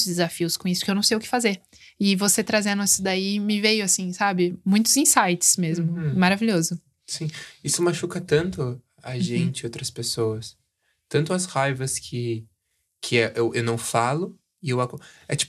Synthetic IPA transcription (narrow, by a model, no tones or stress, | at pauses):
zd̪ɪzafiʊskõisʊpkewnɐ̃w̃sejʊkɪ̥fazeɾ | ɪvoset̪ɾazẽnd̪ʊɛsʊd̪aimɪvejʊasĩsabɪmũj̃t̪ʊzĩsajt͡ʃɪ̥smezmʊmaɾaviʎozʊ | sĩisʊmaʃukɐt̪ɐ̃nt̪ʊ | aʒẽnt͡ʃɪowt̪ɾɐspesoɐs | t̪ɐ̃nt̪̬ʊɐshajvɐskʰɪ | kʰɪɛʔewʔewnɐ̃w̃falʊ | ɪewakɛt͡ʃi̥pʊ